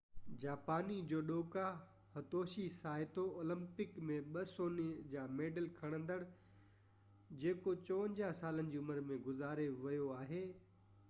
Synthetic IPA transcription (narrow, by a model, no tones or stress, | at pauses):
d͡ʑaːpaːnid͡ʑoːɗoːka | hɐt̪oːʃisaːɪt̪ooːlə̃mpɪkmẽɓɐsoːnid͡ʑaːmeːɖəlkʰɐɽ̃ə̃nd̪əɽ | d͡ʑeːkot͡ɕɔʋə̃ɲʲd͡ʑaɦsaːlənɪ̆d͡ʑiːʊməɾmẽɡʊzaːɾeʋɐjoaːɦeː